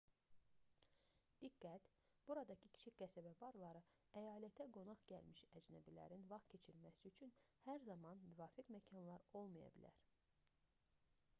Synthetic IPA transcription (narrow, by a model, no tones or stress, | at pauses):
d̪̥iɡːæt̪ | b̥uɾɑd̪ɑcʰicʰi̥t͡ʃʰiɡæsæbæbɑɾlˠɑɾɯ | æjɑːlæt̪ʰæɡo̞nɑχɟælmiʃæd͡ʒnæbilæ̰ɾinvɑχtcʰe̞t͡ʃʰiɾmæsiyt͡ʃʰynhæɾzɑmɑnmyvɑːfiɡmæcʰɑnlˠɑɾo̞lˠmɑjɑ̰bḭlæ̰ɾ